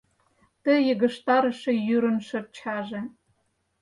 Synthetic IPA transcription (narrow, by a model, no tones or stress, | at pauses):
t̪ə̆jɤ̆ɣə̆ʃt̪ɑɾə̆ʃĕjyɾə̆nʃərt͡ɕʰɑʒĕ